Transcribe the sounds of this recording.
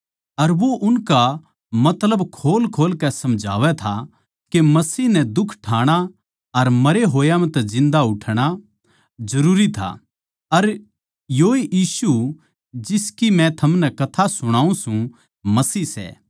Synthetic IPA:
ɐɾʋoʔʊnka | mɐt̪ləbkʰoːlkʰoːlkɛsɐmd͡ʒʱa̰ːʋɛt̪ʰa | kemɐsiːɦnɛd̪ʊkʰʈʰaːɽ̃a | ɐɾmɐɾeɦoːjamɛ̃t̪ɛzɪ̃nd̪aʊʈʰɽ̃a | zɐɾuːɾit̪ʰa̰ | ɐɾ | joːejiːsu | d͡ʒɪskimɛ̃t̪ʰɐmnɛkɐt̪ʰasʊɽ̃aːũsũ | mɐsiːsɛ̰ː

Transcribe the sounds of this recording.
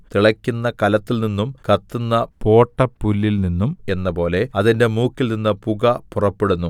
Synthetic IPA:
t̪iɭɐkʲːunːɐkɐlɐt̪ːilninːumkɐt̪ːunːɐpo̞ːʈːɐpːulːilninːume̞nːɐpo̞ːle̞ɐðinde̞muːkːilninːɐpuɣɐpurɐpːeɽunːu

